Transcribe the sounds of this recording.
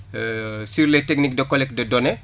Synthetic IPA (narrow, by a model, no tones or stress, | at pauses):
siɾletek̚nik̚dɐkɔlɛk̚dɐdɔnɛ